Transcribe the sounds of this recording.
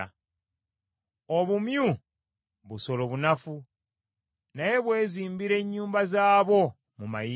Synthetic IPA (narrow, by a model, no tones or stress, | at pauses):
oβumju | βuso̞lo̞βunafu | naje̞βwe̞ːziːmbiɾe̞ːɲːuːmbazaːβo̞ | mumaji